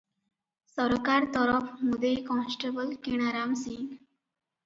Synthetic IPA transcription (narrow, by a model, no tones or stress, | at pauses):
səɾkaɾt̪ɔɾəfmud̪ejkɔ̃nsʈebəlkiɽ̃aɾamsiŋɡ